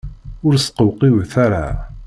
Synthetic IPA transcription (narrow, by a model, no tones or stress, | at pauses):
ʊɾsqəwqiwθaɾa